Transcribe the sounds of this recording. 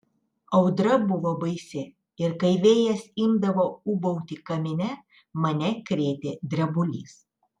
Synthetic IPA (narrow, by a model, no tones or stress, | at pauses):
ɒʊd̪ɾɐbʊʋoːbɐɪsʲɪ | ɪɾkɐɪʋʲeːjɛsɪmd̪ɐʋoːʊbɔʊt̪ʲikɐmʲɪnʲɛ | mɐnʲɛkɾʲeːt̪ʲeːd̪ʲɾʲɛbʊlʲḭːs